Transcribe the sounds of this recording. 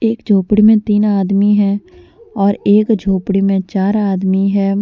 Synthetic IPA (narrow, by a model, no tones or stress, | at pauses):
eːkd͡ʒʱoːpɽimẽt̪iːnaːd̪miɦɛ̃ː | ɔːɾeːkd͡ʒʱoːpɽimẽt͡ʃaːɾaːd̪miɦɛː